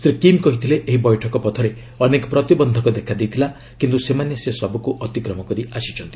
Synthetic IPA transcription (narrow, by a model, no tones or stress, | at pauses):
sɾikimkɔɦit̪ʰileʔeɦibɔjʈʰɔkɔpɔt̪ʰɔɾe | ɔnekɔpɾɔt̪ibɔnd̪ʱɔkɔd̪ekʰad̪ejt̪ʰila | kint̪usemanesesɔbukuʔɔt̪ikɾɔmɔkɔɾiasit͡ʃʰɔnt̪i